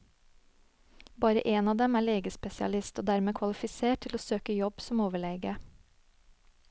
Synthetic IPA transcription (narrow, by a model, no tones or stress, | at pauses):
bɑːɾə̰ʔeːnɑːd̪ɛmæːɭeːɡəspɛsɪɑ̰lɪst̪oːd̪æɾmeːkʰʋɑlɪfɪseːʈt̪ʰɪloːsøːkəjɔb̥sɔmoːʋəɭeːɡə